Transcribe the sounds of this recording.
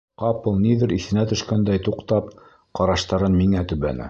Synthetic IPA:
qɑpɤlˠniðɘɾiθɘ̆næt̪ɵ̆ʃkænd̪æjt̪uqt̪ɑp | qɑɾɑʃt̪ɑɾɤnmiŋæt̪ɵ̆βæ̰nɘ̰

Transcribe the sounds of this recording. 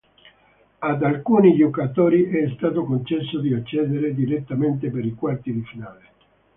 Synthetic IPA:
ad̪alkuːniʎukat̪oːɾiʔɛst̪aːt̪okont͡ʃɛsːod̪iat͡ʃːɛːd̪eɾed̪iɾet̪ːament̪epeɾikwart̪id̪ifinaːle

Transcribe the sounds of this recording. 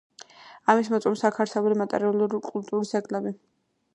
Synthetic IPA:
amismɔt̪sʼɔmsakʰaɾt̪ʰwɛlˠuɾimat̪ʼa̰ɾɛulkʼult̪ʼuɾisɛkʼlɛbi

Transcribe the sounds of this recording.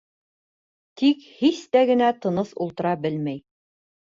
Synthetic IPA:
t̪ʰikhist̪æɡɘ̆næt̪ɤ̆nɤsulˠt̪ɤ̆ɾɑbɘlmæj

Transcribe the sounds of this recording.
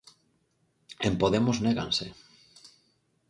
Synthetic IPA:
empoðemozneɣa̰nse

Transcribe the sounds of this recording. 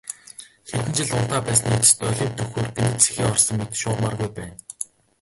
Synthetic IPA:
xet̪ɘ̆nt͡ɕɪ̆ɮʊnt̪aːpæːsnet͡s̆t̪œːɮʲiːmt̪ʰɵxoːrɡ̪enɘ̆t͡ɕt͡sʰe̥xiːŋɔrsɞ̆ŋmet̪ʃʊːrmaːrɣujpæːn

